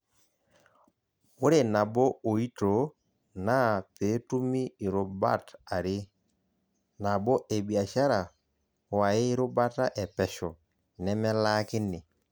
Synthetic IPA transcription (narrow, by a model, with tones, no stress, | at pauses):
ʊ˦ɾe˨na˨bɔ˦o˨i˦to˨ | na˦pe˨˦tu˦miː˦˨ɾo˨ba̰˦ta˨ɾɪ˦ | na˨bɔ˦ʔe˨bi˨a˨ʃa˦ɾa˨ | wa˨ɪ˦ɪ˦ɾʊ˦ba˦ta˦ʔɛ˨pɛ˨ʃɔ˨ | nɛ˦mɛ˦la˦kɪ˦nɪ˨